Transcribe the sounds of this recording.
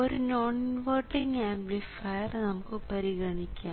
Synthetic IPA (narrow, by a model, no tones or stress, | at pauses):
oɾɯnoːnʋɐɾʈːɪŋɡaːmplifɐjɐɾnɐmɐkːɯpɐɾɪɣɐɳɪkʲːaː